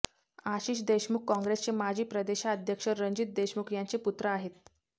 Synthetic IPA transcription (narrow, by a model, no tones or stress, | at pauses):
aɕiːɕ̬d̪eɕmukːɔ̃ŋɡɾest͡ɕemad͡ʑʱiːpɾəd̪eɕaəd̪ʱjəkʂəɾəɲd͡ʑit̪̚d̪eɕmukjant͡seput̪ɾəaɦet̪